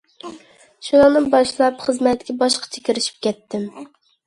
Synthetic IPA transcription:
ʃunˠɑŋnɨnbɑʃlˠɑpχəzmɛt̪kʲɛbɑʃqʰɑ̥t͡ʃʰɛkʲɪɾɪʃi̥p̚kʲɛt̪ʰːɪm

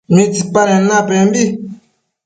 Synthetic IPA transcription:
mĩdik͡paɾɛ̃nãbɛ̃bi

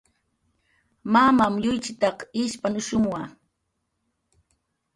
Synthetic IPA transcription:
mamamʎʊjt͡ʃɪt̪ɑqɪʃpanʊʃʊmwa

